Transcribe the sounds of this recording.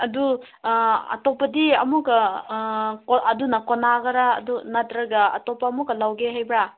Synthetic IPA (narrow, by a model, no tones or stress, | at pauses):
ɐdu | ɐ̰tɔpɐdiɐmukɐ | ɐdunɐkonaɡɐɾa̰ːdunɐtɾɐɡɐɐ̰tɔpaɐmukːɐlawɡeɦajbɾa